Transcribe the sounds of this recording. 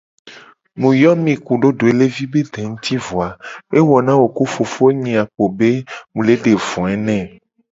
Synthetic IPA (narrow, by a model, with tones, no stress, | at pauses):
mũ˨jɔ˦mĩ˨ku˨ɖo˦ɖo˨e˨˦le˦vi˦be˦d̪ɛ̃˨ŋũ˦t̪i˦vo˨a˨e˦wɔ˨nã˦wo˨ku˦fo˨fo˦o˦ɲĩ˨a˨k͡po˨be˦mũ˨le˦ɖe˨vɔ̃˨ɛ˦nɛ̃˦˨